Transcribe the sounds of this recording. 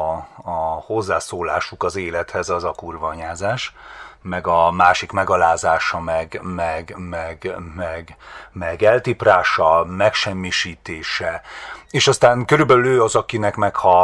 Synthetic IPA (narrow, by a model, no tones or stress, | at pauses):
ho̞zːaːsoːlaːʃukɒzeːlɛt̪hɛzɒzɒkurvɒːɲaːzaːʃmɛɡɒmaːʃikmɛɡɒlaːzaːʃɒmɛɡmɛɡmɛɡmɛɡmɛɡɛlt̪ipraːʃɒmɛkʃɛmːiʃiːt̪eːʃɛeːʃɒst̪aːŋkøɾybɛlyløːɒzɒkinɛkmɛkhɒ